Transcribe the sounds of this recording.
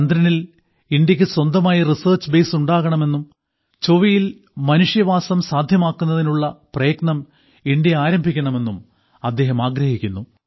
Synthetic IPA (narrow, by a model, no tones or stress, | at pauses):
ɐnd̪ɾɐnil | indjɐkʲːɨswɐnd̪ɐmaːjirisɐːrt͡ɕbe̞ːsuɳɖaːɣɐɳɐme̞nːum | t͡ɕoʋijil | mɐnuʂjɐʋaːsɐmsaːd̪ʱjɐmaːkːunːɐðinuɭːɐprɐjɐɡɳɐm | iɳdjɐaːɾɐmbʱikʲːɐɳɐme̞nːum | ɐd̪ːe̞ːɦɐmaːɡɾɐhikʲːunːu